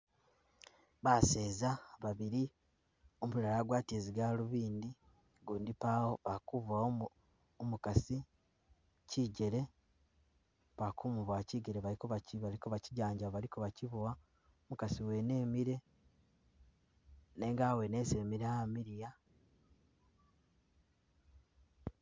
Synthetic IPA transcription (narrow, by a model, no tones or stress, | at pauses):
βase̞ːzaβaβiɾi | omulalaɡwaːtie̞ziɡaluβiːndi | ɡuːndipawoβakuβa | omukasi | ciɟe̞ɾe̞ | pakumuβwaciːɡeɾeβalikoβaciβalikoβaciɟaːɲɟaβalikoβaciβuwa | omukasiwe̞ne̞ːmiɾe̞ | ne̞ŋɡaːwe̞nese̞miɾeamiɾija